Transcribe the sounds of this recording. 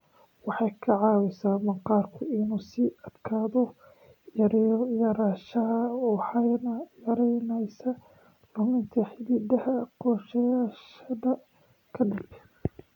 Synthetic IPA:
wɑħɑjkʰɐʕɑːwɪsaːmɐqɑːrkʰʊɪnuːsiɐd̪̥kʰaːðɔ | jɐɾjɐɾaːʃɐɦɐħɑjnjɐɾɛjnɛjsɐ | rʊmɪnt̪ʰɐħɪliːd̪ɐhɐqɔːʃɐjaːʃɐðɐ | kʰɐɖɪb

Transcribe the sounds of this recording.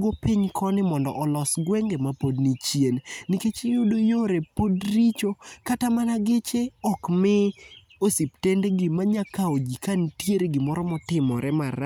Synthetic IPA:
ɡopiɲkʰɔnɪmɔndɔ̰ʔɔlɔsɡwɛŋɡemapodnit͡ʃjennɪket͡ʃɪjodojoɾepodɾit͡ʃokatamanaɡɪt͡ʃeɔkmɛ | osiptendeɡɪmaɲakaod͡ʒikantjeɾeɡɪmɔɾɔmɔtɪmɔɾɛmaɾ

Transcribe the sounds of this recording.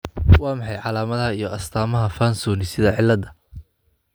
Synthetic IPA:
wɑːmɑħɑjʕɑlaːmɐðhɐijɔʔɐst̪ʰaːmɐɦɐfaːnsuːnɪsɪðɐʕɪlːɐd̪ɐ

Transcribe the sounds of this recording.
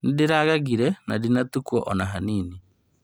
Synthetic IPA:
nɪdɪɾaɣaɣiɾɛnadinatukwɔʔɔnaɦaniːni

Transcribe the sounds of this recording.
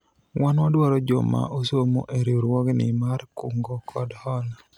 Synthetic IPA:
wanwadwaɾɔd͡ʒo̰ma̰ʔosomo̰ʔeɾeoɾwɔɡnɪ̰maɾkuŋɡɔkʰɔdhɔl

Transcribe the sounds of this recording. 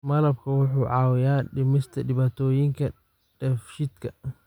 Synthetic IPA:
mɐlɐb̚kʰɐwʊħuːʕɑːwɪjaːɗɪmɪst̪ʰɐɗɪβaːt̪ʰɔːjɪŋkʰɐ | ɖ̥ɛfʃid̪kʰɐ

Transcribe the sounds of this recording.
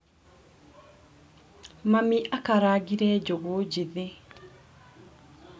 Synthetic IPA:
mamiʔakaɾaɡiɾɛd͡ʒoɡod͡ʒeðe

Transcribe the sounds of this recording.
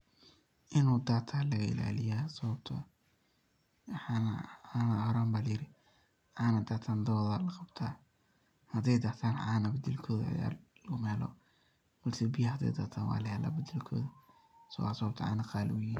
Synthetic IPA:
ʔɪnuːd̪aːt̪ʰalɐɣɐɪ̰la̰ːlɪjasɔβɐbt̪ʰɐ | ħnaːnɐhɾaːmbaːljɪɾɪ | ʕɑːnɐd̪aːt̪ʰaːnd̪ɔːðɐlɐqɑbt̪ʰaː | hɐd̪ɛjd̪aːt̪ʰaːnʕaːnɐbɐd̪ɛlkʰɔːðɐɐ̰ja̰ːrlɐɣʊmɛːlɔ̰ | b̥ɐlsɛbɪjɐhɐd̪ɛ̰jd̪aːt̪ʰaːnwɑ̰ːlɐhɛlɐ̰bɐd̪ɛlkʰɔ̰ːðɐ | sɔw̰sɔb̚t̪ʰɐʕɑ̰ːnɐqɑːljɪ

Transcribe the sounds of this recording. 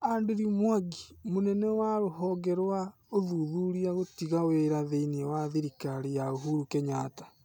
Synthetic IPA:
andeɾimwaɡimonɛnɛwaɾoɦɔɡɛɾwa | oðuðuɾiaɣotiɣaweɾaðeinewaðiɾikaɾijaoɦuɾukɛɲaːtḁ

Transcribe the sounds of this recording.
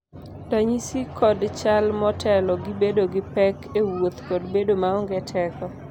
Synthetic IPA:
daɲisikɔdt͡ʃalmɔtʰɛlɔɡɪbedoɡɪpɛkewot̪kɔdbedomaɔŋɡɛtʰɛkɔ

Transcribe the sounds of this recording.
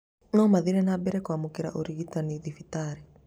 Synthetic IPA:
nɔmaðiɾɛnabɛɾɛkwamokeɾa̰ʔoɾiɣitaniðifitaːɾi

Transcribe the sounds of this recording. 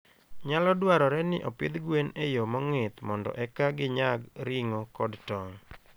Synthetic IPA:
ɲalɔdwaɾɔɾɛnɪʔɔpɪd̪ɡwenejomɔŋɪt̪mɔndɔ̰ʔɛkaɡɪɲaɡɾɪŋɔkɔdtɔŋ

